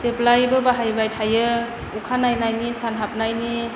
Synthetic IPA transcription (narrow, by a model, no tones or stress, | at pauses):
seplajbɯbaɦajbajtʰajɯ | ukʰanajnajnisanɦap̚najni